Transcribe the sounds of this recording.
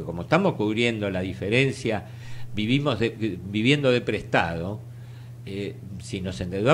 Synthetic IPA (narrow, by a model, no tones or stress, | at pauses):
ko̞moest̪amoskuβɾje̞nd̪o̞laðifeɾensja | βiβimo̞zðebiβje̞nd̪o̞ð̞e̞pɾest̪a̰ðo̞ | e | sino̞send̪eðwa